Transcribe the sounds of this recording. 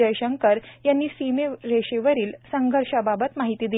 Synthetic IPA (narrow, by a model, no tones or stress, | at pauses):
əjɕəŋkəɾjanːiːsimeɾeɕeʋəɾiːlsəŋɡʱəɾʂababət̪maɦit̪iːd̪i